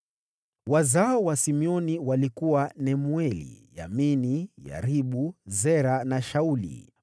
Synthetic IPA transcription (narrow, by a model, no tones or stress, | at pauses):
wazaɔwasimiɔniwalikuwanɛmwɛlḭja̰minija̰ɾiɓuzɛɾanaʃaulḭ